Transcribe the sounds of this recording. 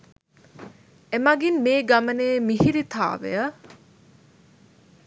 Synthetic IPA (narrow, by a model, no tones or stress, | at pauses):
emaɡinmeːɡɐmɐneːmiɦiɾit̪ʰa̰ːʋḛjə